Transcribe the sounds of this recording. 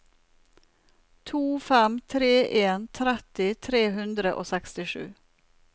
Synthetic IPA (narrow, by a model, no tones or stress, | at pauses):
t̪ʰuːfæmt̪ʰɾeːʔeːnt̪ʰɾɛt̪ɪt̪ʰɾeːhʉnd̪ɾəʔo̰ːsɛkst̪ɪʃʉ̰ː